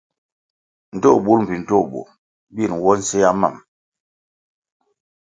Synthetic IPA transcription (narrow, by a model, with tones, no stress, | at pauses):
n̩˨to˦˨ɓu˨˦lm̩˨pi˨n̩˨to˦˨bo̰˨ | bi˦˨n˨wɔ˦n̩˦se˦ja˦ma̰˦˨m